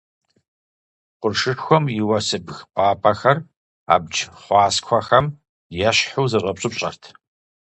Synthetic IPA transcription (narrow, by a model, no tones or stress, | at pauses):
qʷʊrʂɨxʷɔmiwɐsɨbxpʷʼɑːpʰɐxɐr | a̰ːbd͡ʒχʷɑːskʷʰɐxɐm | jɛɕħuwzɨɕʼɐpɕʼɨpɕʼɐ̰rtʰ